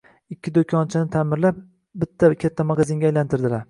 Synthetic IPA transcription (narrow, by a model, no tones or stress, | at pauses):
ɪkʲːɪd̪okʲʰɒnt͡ʃʰɪnɪt̪ʰamɪɾlap̚ | bɪt̪ʰːakʲʰat̪ʰːamaɡazɪŋɡʲaːjlant̪ʰɪɾd̪ɪlaɾ